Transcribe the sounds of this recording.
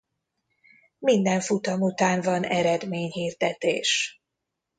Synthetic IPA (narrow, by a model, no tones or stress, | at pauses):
mind̪ɛɱfut̪ɒmut̪aːnvɒnɛɾɛd̪meːɲhiːrd̪ɛt̪eːʃ